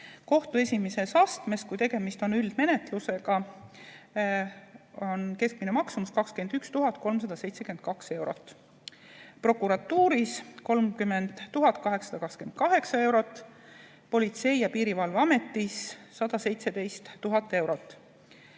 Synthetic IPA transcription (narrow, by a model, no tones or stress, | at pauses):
ko̞ht̪ue̞sʲimese̞sɑst̪me̞skujt̪e̞ɡ̥e̞mist̪o̞nyld̪̥me̞ne̞t̪luse̞ɡ̥ɑ | o̞nke̞skminemɑksumuskɑkskyend̪̥ykst̪uɦɑt̪ːˑko̞lms̬ɑd̪̥ɑse̞jt̪sekye̥kɑkse̞wɾo̞̰t̪ːˑ | pro̞kˑuɾɑt̪ːuːɾisko̞lmkymːe̞nd̪̥ːuɦɑt̪̚ːˑkɑɦe̞ksɑ̥d̪ɑkɑkske̞n̚kɑɦe̞ksɑe̞wɾo̞t̪ːˑ | po̞lʲit̪se̞jjɑpiːɾivɑlvɑme̞t̪ːisːɑd̪ɑse̞jt̪se̞d̪e̞jst̪ːuɦɑt̪ːˑe̞wɾot̪ːˑ